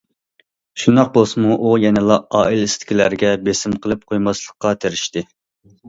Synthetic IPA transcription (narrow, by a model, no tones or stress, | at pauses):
ʃund̪ɑq̚bolˠsɨmuʔujɛnɪlˠɑɑːilist̪ʰɪ̥kʲʰilæɾɡʲɛbesɪmqʰəlˠɨp̚qʰojmɑslˠəqːɑt̪ʰeɾɪʃt̪ɪ